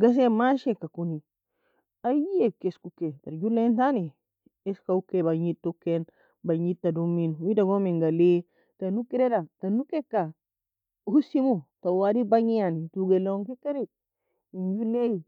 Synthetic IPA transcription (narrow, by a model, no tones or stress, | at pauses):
ɡas̬emaʃekakuni | ajekeskuketaɾd͡ʒulentani | eskaukebaɲitːukːen | baɲitːaduminwidaɡomiŋɡale | tanukiɾedatanukekːa | husimutawadibaɲianituɡeloŋkikaɾit̚ | ind͡ʒuleji